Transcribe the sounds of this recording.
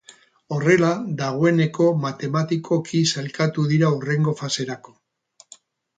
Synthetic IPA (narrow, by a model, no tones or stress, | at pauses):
o̞re̞laðaɣ̞o̞e̞ne̞ko̞mat̪e̞mat̪ikʰo̞kʰisalkat̪uðiɾaure̞ŋɡo̞fase̞ɾako̞̥